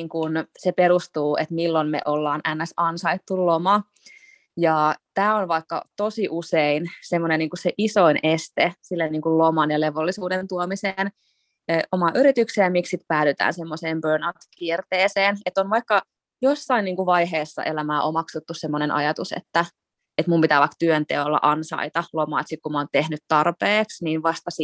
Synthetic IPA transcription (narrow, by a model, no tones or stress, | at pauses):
ŋkunsepeɾust̪uːet̪milːonmḛʔolːɑːnʔænːæsɑnsɑit̪ːullomɑ | jɑːt̪æːonʋɑikːɑ̰t̪osiʔuseinsemːonenniːŋkusseʔisoinest̪esilːenniːŋkullomɑnjɑleʋolːisuːdent̪uomiseːnː | ʔomɑːʔyɾit̪ykseːɑmikssit̪pæːlyt̪æ̰ːnsemːoseːmbøːnaut̪kiːrt̪eːseːnet̪ːonʋɑikːɑ | josːɑinniːŋkuʋɑiɦeːsːɑ̰ʔelæmæːʔomɑksut̪ːussemːonenʔɑ̰jɑt̪usḛt̪ːæ | et̪mumpit̪æːʋɑkt̪yønt̪eolːɑ̰ʔɑnsɑ̰it̪ɑlomɑ̰ːt̪sik̪̚kumɑːnt̪ehnyt̪t̪ɑrpeːksniːnʋɑst̪ɑsi